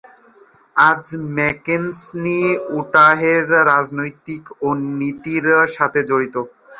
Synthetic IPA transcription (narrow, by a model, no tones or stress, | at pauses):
ad͡ʑmɛkensniuʈaɦeɾːad͡ʑnojt̪ikonit̪iɾʃat̪ʰed͡ʑoɾit̪o